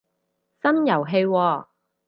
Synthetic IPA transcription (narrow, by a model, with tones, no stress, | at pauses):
sɐ˥njɐ˨˩wɦe˧jwɔː˧